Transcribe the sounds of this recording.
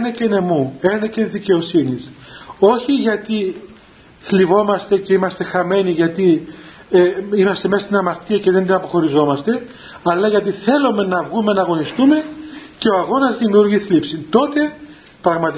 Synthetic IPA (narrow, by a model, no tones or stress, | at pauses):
enecene̞muenecenðice̞o̞siniso̞çiʝɐt̪i | θlivo̞mɐst̪e̞ceimɐst̪e̞xɐme̞niʝɐt̪i | imɐst̪e̞mest̪inɐmɐɾt̪iɐce̞ðend̪inɐpo̞xo̞ɾizo̞mɐst̪e̞ | ɐlːɐʝɐt̪̬iθe̞lome̞nɐvɣume̞nɐɣo̞nist̪ume̞ce̞o̞ɐɣo̞nɐzðimiuɾʝiθlipsint̪o̞t̪e̞ | pɾɐɣmɐt̪i